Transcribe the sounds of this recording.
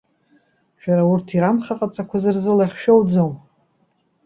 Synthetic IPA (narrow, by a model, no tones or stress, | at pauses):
ʃᶣaɾaurtʰiɾamχaqʼat͡sʼakʷʰazɨrzɨlaχʲʃᶣowd͡zom